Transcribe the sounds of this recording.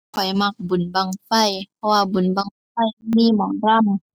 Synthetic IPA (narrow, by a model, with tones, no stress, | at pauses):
kʰɔ˨˩˦jma˧k̚bu˨˩˦nba˧˨ŋfa˧˩˨jpʰɔ˧waː˧bu˨˩˦nbaː˧ŋfa˧˥˨jmiː˧˥˨mɔː˨˦ŋɾa˧˥˨m